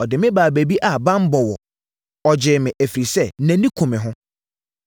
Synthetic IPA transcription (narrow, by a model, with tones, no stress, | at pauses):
ɔ˨dɪ˨mɪ̃˦baː˨bæ˨bi˦ʔa˨bã˦m̩˦bɔ˨wɔ˨ | ɔ˨d͡ʑɪː˨mɪ̃˨ʔæ˨fi˨ɾi˨sɛ˦næ̃˨nĩ˦kʰõ˨mɪ̃˨ɦʊ̃˦